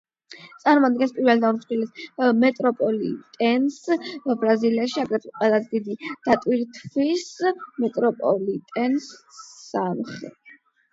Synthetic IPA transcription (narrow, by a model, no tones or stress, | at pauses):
t̪sʼaɾmɔad̪ɡɛnspʼiɾvɛld̪aɾsχilismɛt̪ʼɾɔpʼɔlḭt̪ʼɛnsbɾaziliaʃiaɡɾɛqʼwɛlˠasd̪id̪id̪̥at̪ʼwiɾt̪ʰvismɛt̪ʼɾɔpʼɔlit̪ʼɛnssamχɛ̰